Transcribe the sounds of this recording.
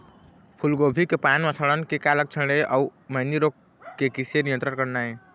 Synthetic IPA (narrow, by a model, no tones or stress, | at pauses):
pʰulɡobʱikepanməsʰəɽənkekalək̚t͡ʃʰəɽeʔauməɦniɾok | kːekisenijə̃nt̪ɾəɾkəɾnaj